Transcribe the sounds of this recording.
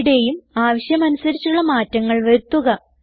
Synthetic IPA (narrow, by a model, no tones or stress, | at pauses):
ɽe̞jumaːʋɐɕjɐmɐnusɐɾit͡ɕːuɭːɐmaːtːɐŋːɐɭʋɐɾut̪ːuɣɐ